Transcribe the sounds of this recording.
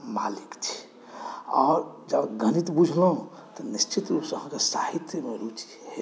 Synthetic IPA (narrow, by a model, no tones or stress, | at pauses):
ma̰likt͡ʃʰi̥ | ɔɾd͡ʒəbɡʱənit̪bud͡ʒʱləɦũ | t̪ɔnist͡ʃʰit̪ɾupsəɦãkesahit̪jəmeɾut͡ʃi̥he